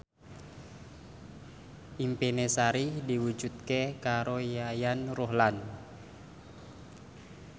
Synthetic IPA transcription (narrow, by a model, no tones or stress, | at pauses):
ʔimpenesaɾihdiwud͡ʒut̪̚kekaɾojajanrɔɦlan